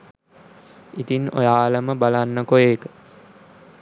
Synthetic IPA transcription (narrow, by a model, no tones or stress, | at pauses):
it̪ino̰jaːləməbalanːəkojeːkə̥